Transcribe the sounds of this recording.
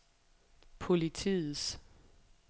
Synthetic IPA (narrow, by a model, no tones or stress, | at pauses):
pʰo̝lit͡sʰḭːð̩ˠs